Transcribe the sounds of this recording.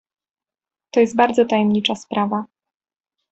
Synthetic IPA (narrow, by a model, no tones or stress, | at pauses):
t̪ɔjɛst̪̚baɾd̪zɔt̪ajɛmɲit͡ʂaspɾʔava